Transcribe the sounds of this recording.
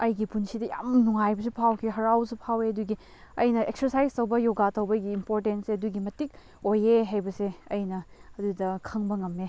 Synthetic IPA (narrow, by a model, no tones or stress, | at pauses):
ɐjɡipunsidɐja̰mnuŋajbɐsipʰawkʰiɦɐɾawsipʰaweɐduɡi | ɐ̰jnɐeksɐɾsajstɐwbɐjoɡatɐwbɐɡiːmpoɾtenseɐduɡimɐtik̚ | ojeɦajbɐseɐ̰jnɐɐdudɐkʰɐŋbɐŋɐme